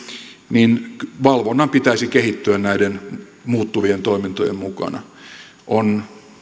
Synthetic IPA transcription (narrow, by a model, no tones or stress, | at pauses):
ninʋɑlʋonːɑmpit̪æisikehit̪ːyænnæidenmuːt̪ːuʋient̪oimint̪o̰jemmukɑ̰nɑ̰ | ʔon